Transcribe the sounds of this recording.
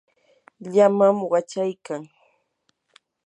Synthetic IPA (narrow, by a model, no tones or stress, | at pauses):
ʎamamɢɑt͡ʃajkaŋ